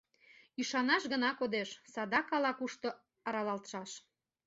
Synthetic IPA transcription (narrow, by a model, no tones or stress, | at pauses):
yʃɑnɑʃɣənɑkod̪eʃsɑd̪ɑkɑlɑkuʃt̪o | ɑɾɑlɑlt̪ʃɑʃ